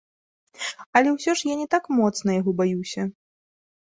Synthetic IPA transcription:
ɐlʲɛwsʲɔʂjanʲɛt̪akmɔt̪snɐjaɣɔbajuwsʲɐ

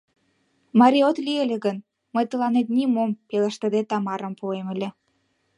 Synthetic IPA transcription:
mɑɾʲiot̪lielʲeɣən | məjt̪əlɑnet̪nimompelə̆ʃt̪ə̆d̪et̪ɑmɑɾəmpueməlʲĕ

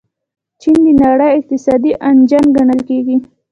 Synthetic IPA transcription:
t͡ʃind̪ənaɽəjɪq̚t̪ɪsɑd̪iʔand͡ʒanɡaɳəlkeɡi

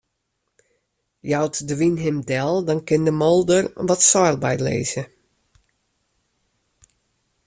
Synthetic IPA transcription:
jawtdəʋinɦɪmdɛlˠdɔnkɪndəmɔlˠdərʋɔtsɔjlˠbɛ̰jtlḛːz̥ə

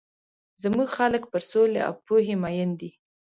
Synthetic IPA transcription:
zəmuɡxaləkpəɾsolḛa̰wpuɦemɑjənd̪i

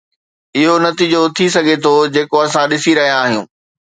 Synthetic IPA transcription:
ɪɦonɐt̪iːd͡ʑot̪ʰisɐɡʱet̪ʰod͡ʑeːkoɐsãɗɪsiɾɐɦijaːɦijũː

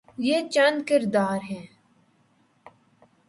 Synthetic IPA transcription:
jeːt͡ʃɐnkɪɾd̪aːɾɦɛ̃ː

